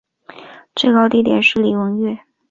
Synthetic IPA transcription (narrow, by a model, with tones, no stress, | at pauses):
ʈ͡ʂe˥˩kɑ˥˧ʊt̪i˥˩t̪jɛ˨˩nʂɻ̩˥˩li˨˩wɤ˧˥ŋɥɛ˥˩